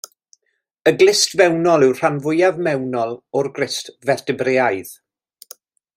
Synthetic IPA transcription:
əɡlɪstvɛwnɔlˠɪwr̥anvʊjavmɛwnɔlˠɔrɡrɪstvɛrtɪbreːaɨð

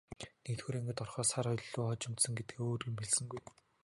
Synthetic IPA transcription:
nekt̪xuːɾeŋɡɘ̆t̪ɔrχœːsarɔjɮɮːʊːχɔt͡ɕɪ̆mt̪sɞ̆ŋɡet̪̚ɡeoːrimpeɮsɘ̆ŋɡuj

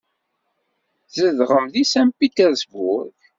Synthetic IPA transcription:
zəðʁəmðisæmpit̪əɾsbʊɾθ

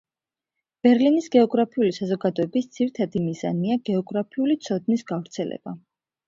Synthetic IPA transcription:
b̥ɛɾlinisɡɛɔɡɾapʰiulisazɔɡad̪ɔɛbisd̪z̥iɾit̪ʰad̪imiza̰niaɡɛɔɡɾapʰiulit̪sʰɔd̪̚nisɡ̥avɾt̪sʰɛlɛ̰b̥a

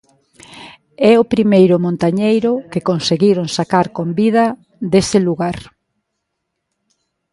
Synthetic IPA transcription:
ɛopɾimejɾʊmõnt̪aɲejɾʊkekonseɣiɾoŋsakaɾkombiðɐ | d̪esɪluɣaɾ

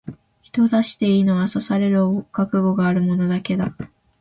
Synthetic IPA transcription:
çi̥t̪o̞zaɕi̥t̪e̞iːno̞βasosaɾe̞ɾɯ̟okakɯ̟ɡo̞ɡaːɾɯ̟mo̞no̞d̪ake̞d̪a

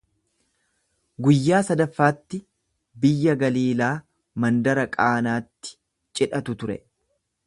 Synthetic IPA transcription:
ɡʊjːaːsɐd̪ɐfːaːt̪ːɪ | bɪjːɐɡɐliːlaː | mɐnd̪ɐɾɐkʼaːnaːt̪ːɪ̥ | t͡ʃʼɪᶑɐt̪ʊt̪ʊɾɛ̰

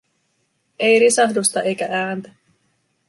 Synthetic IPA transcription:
e̞jɾisɑɦdust̪ɑʔe̞jkæʔæːnt̪æ

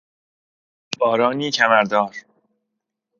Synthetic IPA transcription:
b̥ɒːɾɒːniːcʰæmæɾd̪ɒːɾ

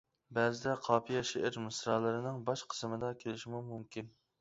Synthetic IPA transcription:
bɛzɪd̪ɛqʰɑːpʰijɛʃeʔɪɾmɨsɾɑlˠɨɾɨnɨŋbɑʃqʰə̥smɨd̪ɑkʲʰelɪʃimumumkʲʰin

